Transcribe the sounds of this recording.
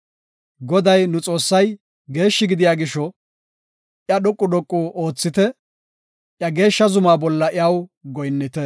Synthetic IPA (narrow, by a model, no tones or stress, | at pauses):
ɡɔd̪ɐjnʊt͡sʼo̞ːsːɐj | ɡe̞ːʃːɪɡɪd̪ɪjaːɡɪʃɔ | ʔjɐɗʊkʼːʊɗɔkʼːuʔo̞ːt͡sːɪt̪ɛ | ʔjɐɡe̞ːʃːɐzʊmaːbɔlːɐʔɪɐwɡɔjnːɪt̪ɛ